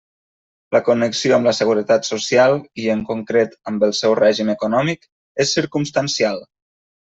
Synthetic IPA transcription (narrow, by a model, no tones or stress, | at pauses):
ləkunəksioəmləsəɣ̞uɾət̪at̪susialˠiəŋkuŋkɾet̪əmbəlˠsɛwrɛʒiməkunɔmik | esːiɾkumst̪ənsialˠ